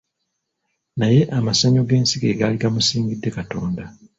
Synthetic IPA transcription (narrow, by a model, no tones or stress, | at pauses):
naje̞ʔamasaɲo̞ɡe̞ːnsiɡe̞ːɡaːliɡamusiːŋɡidːe̞kato̞ːnda